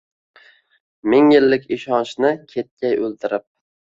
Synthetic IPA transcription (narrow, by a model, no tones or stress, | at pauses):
mɪŋjɪlːɪkʲɪʃɒnʃnɪkʲʰet̪̚kʲajɵlˠt̪ɪɾɪp̚